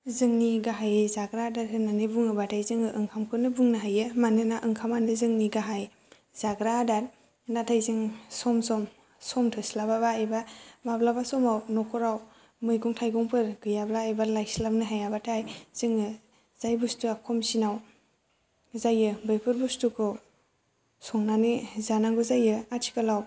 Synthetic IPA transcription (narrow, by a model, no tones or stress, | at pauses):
zɯŋniɡaɦajzaɡɾadaɾɯnanɯbuŋɯbatʰajzɯŋɯʔɯŋkʰamkʰɯnɯbuŋnɯɦajɯmanɯnaʔɯŋkʰamanɯzɯŋniɡaɦaj | zaɡɾadaɾ | natʰajzɯŋsɔmsɔm | sɔmtʰɯslababaajbamablabasɔmawnɔkʰɔɾaw | mɯjɡɔŋtʰajɡɔŋpɯɾɡɯjablaɯjbalajslamnɯɦajabatʰajz̥ɯŋɯ | zajbustuakʰɔmsinaw | zajɯbɯjpʰɯɾbustukʰɯ | sɔŋnanizanaŋɡɔzajɯatʰi̥kalaw